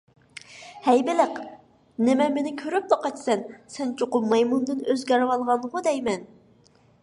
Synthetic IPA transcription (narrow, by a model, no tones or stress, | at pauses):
hɛjbɪlɪq | nɪmɛmenɪkʲʰøɾyp̚loqɑt̪sɛnsɛnt͡ʃʰoqʊmɑjmund̪ɨnøzɡʲɛɾwɑlˠʁɑnʁʊd̪ɛjmɛn